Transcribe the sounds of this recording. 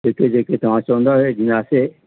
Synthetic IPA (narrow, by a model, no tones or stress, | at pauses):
keːked͡ʒeːket̪ɐm̤ãːt͡ʃɔ̃ːnd̪aɦed͡ʒɪnãːse